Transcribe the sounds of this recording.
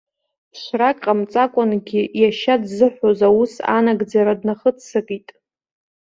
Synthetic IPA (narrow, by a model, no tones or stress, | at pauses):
ʃʷrakʼqʼamt͡sʼakʷʼʊnɡʲɪjaʃadzɨħʷᶣozawusa̰naɡd͡zaɾadnaχət͡sʰsɨkʼitʼ